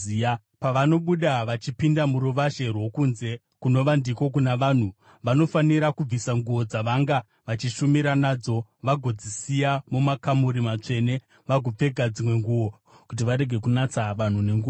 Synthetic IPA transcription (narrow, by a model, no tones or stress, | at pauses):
i | paʋano̞ɓuɗaʋat͡ʃipindamuɾuʋaʃe̞rwo̞kunze̞ | kuno̞ʋandiko̞k̬unaʋaːn̤u | ʋano̞faniɾakub͡visaŋɡuo̞d͡zaʋaŋɡa | ʋat͡ʃiʃumiɾanaːd͡zo̞ʋaɡʱo̞d͡zisijamumakamuɾimat͡ʂe̞ne | ʋaɡʱo̞p͡fe̞ɡʱad͡zimwe̞ŋɡuwo̞ | kut̬iʋaɾe̞ɡʱe̞kunat͡saʋan̤une̞ŋɡuː